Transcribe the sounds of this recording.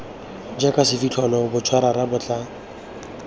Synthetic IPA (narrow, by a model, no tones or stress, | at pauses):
d͡ʒakʼasɪfit͡ɬʰɔnɔbʊt͡ʃʰwaɾaɾabʊt͡ɬʼa